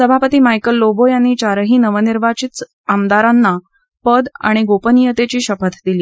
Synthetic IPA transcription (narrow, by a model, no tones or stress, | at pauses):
səbʱapət̪iːmajkəlːobojanːiːt͡ɕaɾəɦiːnəʋəniɾʋat͡ɕit̪ | amd̪aɾanːa | pəd̪a̰ɽ̃iɡopənijət̪et͡ɕiːɕəpət̪ʰd̪iliː